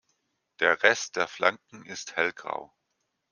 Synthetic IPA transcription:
d̥eːɐʁɛst̚d̥eːɐflaŋkŋ̩ɪsthɛlɡʁa̰ʊ

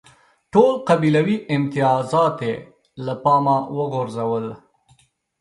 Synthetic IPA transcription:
ʈoːlqabilawiɪmt̪ijɑːzɑːt̪e | lapɑːmawəɣʊɾzawəl

